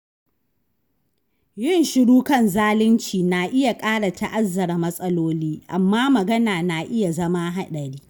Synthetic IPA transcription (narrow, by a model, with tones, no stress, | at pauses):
jɪ˦˨nʃɪ˦ɽuː˦kɐ˦˨nzaː˦lɪ˦nt͡ʃiː˨na˨ʔɪ˦ja˨kʼaː˦ɽa˨ta˦˨ʔa˦zːɐ˨ɾa˨mɐ˦sʼɐ˦loː˦liː˦ʔa̰˨mːaː˦mɐ˨ɡɐ˦naː˨na˨ʔɪ˦ja˨zɐ˦maː˦ɦa˦ɗɐ˨ɽiː˦